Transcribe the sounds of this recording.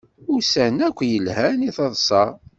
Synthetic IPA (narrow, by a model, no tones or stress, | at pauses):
ʊɾsænækʷːjəlhæniθəðˤsˤɑ